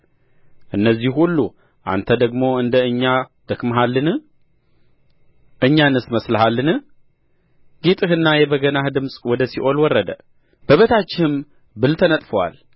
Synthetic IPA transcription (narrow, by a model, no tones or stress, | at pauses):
ʔɨnːəzːihulːu | ʔa̰nt̪ʰəd̪əɡmo̞ɨnd̪əɨɲːad̪̥əkmɦalːɨnɨ | ʔɨɲːanɨsməsləɦalːɨnɨ | ɡet̪ʼɨhɨnːajɛbəɡənahd̪ɨmsʼwɔd̪əsiʔo̞lwɔrːəd̪ə | b̥əβət̪ʰat͡ʃːɪhɨm | bɨlt̪ʰənət̪ʼfəwa̰l